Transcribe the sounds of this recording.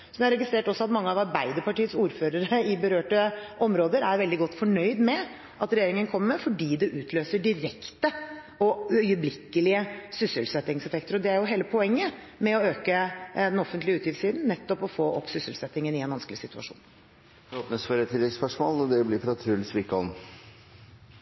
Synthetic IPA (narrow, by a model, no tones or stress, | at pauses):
sɔmɛæɾɛɡɪst̪ɾeːʈɔsɔɑt̪mɑŋːəɑʋɑɾbæɪd̪əɾpɑʈiːətsuːɾføːɾəɾəɪbəɾøːʈəʔɔmɾoːd̪əɾæɾʋɛld̪ɪɡɔt̪ːfɔɳœʏd̪mɛ | ʔɑt̪ɾɛjeːɾɪŋənkʰɔmːəmɛfɔɖiːd̪ɛʔʉːt̪ʰløːsəɖɪɾɛkt̪ə | ɔœʏəblɪkːəlɪəsʏsəlsɛt̪ːɪŋsɛfɛk̚t̪əɾɔd̪ɛæɾjʊɦeːləpʰɔɛŋːə | mɛɔøːkəd̪ɛnɔfːənt̪lɪʉːt̪jɪfsiːd̪n̩nɛt̪ːɔpɔfoːʔɔ̰psʏsəlsɛt̪ːɪŋənɪɛnʋɑnskəlɪsɪt̪ʉɑ̰ʂṵːn | oːpnəsføːɾət̪ʰːɪlɛɡspœʂmɔːlɔd̪ɛblɪɾfɾɑt̪ʰɾʉlsʋɪkɔn